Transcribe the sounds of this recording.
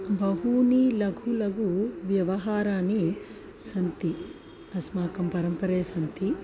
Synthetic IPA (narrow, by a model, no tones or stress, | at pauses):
bɐɦunilɐɡʱulɐɡuʋjɐʋɐɦaːɾaːni | sɐnt̪i | ɐsmaːkɐmpɐɾɐmpɐɾeːsɐnt̪i